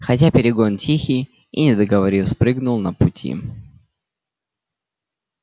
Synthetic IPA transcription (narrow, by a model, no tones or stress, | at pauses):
xɐtʲapʲɪɾʲɪɡo̞ntʲixʲij | ḭnʲɪd̪əɡəvɐɾʲispɾɨɡnʊlˠnəpʊtʲʰḭ